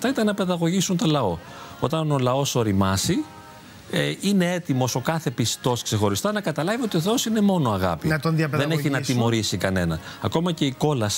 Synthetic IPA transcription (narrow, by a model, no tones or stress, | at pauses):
t̪ɐit̪ɐnːɐpe̞ðɐɣo̞ʝisunt̪olɐo̞ | o̞t̪ɐno̞lɐo̞so̞ɾimɐsi | eine̞et̪imo̞so̞kɐθepist̪o̞skse̞xo̞ɾist̪ɐnɐkɐt̪ɐlɐvio̞t̪ioθeo̞sine̞mo̞no̞ɐɣɐ̰piðɐðeneçinɐt̪imo̞ɾisikɐne̞nɐnɐko̞mɐce̞iko̞lɐs